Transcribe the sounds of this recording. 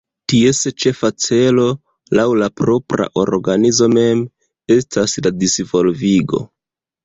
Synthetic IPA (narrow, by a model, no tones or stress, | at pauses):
tie̞set͡ʃe̞fat͡se̞lo̞ | lawlapɾo̞pɾa̰ʔo̞̰ɾɡanizo̞me̞m | e̞stasladisvo̞lviɡo̞̰